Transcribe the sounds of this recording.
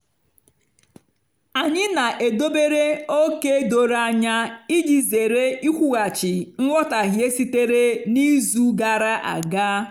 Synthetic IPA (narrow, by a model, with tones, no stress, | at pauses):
a˨ɲɪ˦na˨ʔe˨do˦be˦ɾe˦o˦ke˦do˨ɾa˦ɲa˦i˦di˨ze˨ɾe˦i˦kʷu˦ɣa˨t͡ʃɪ˨ŋ̩˦ŋʷɔ˦ta˨ɣje˦si˦te˦ɾe˦ni˦zu˦ɡa˨ɾa˦ʔa̰˨ɡa˦